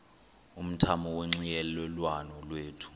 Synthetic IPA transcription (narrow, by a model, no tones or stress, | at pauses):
um̩tʰamɔweŋ͡ǀijɛlɛlwanɔlweːtʰu̥